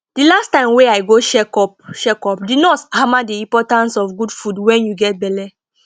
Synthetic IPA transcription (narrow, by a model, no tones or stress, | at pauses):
d̥ilastãɪ̃mweaɪɡoʃɛkɔpʃɛkɔpdinɔthamadiĩpɔtãnsɔfɡudfudwɛ̃njuɡɛt̚bɛlɛ